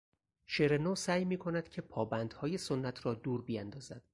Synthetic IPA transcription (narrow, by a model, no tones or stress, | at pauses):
ʃeɾenosæːjmiːkʰo̞næd̪̥cʰe̞pʰɒːbænd̪̥hɒːje̞sonːæt̪ʰrɒːd̪uːɾbijænd̪ɒːzæd̪̥